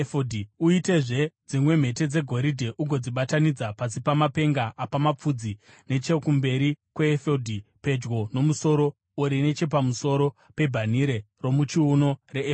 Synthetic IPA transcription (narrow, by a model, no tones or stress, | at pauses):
fodʱiuite̞ʐe̞d͡zimwe̞m̤e̞te̞d͡ze̞ɡʱo̞ɾidʱe̞ʔuɡʱo̞d͡ziɓatanid͡zapasipamape̞ŋɡaʔapamap͡fud͡zi | ne̞t͡ʃe̞kumbe̞ɾikwe̞ːfodʱipe̞d͡ʒɡo̞no̞muso̞ɾo̞ | uɾine̞t͡ʃe̞p̬amuso̞ɾo̞ | pe̞bʱaniɾe̞ | ro̞mut͡ʃiuno̞re